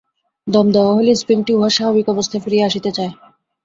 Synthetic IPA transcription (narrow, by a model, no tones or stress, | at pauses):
d̪ɔmd̪ɔwaɦolespinʈiuɦaʃaɦobikɔbost̪ʰafɾieaʃit̪et͡ɕae